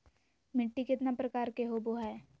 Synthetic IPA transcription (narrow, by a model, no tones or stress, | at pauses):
mɪʈːikɪt̪napɾɐkaːɾkeɦoboɦɛ